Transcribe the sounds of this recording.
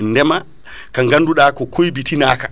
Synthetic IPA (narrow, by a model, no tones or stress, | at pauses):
ndɛma | kaŋɡanduɗakɔkʰojbitinaːkḁ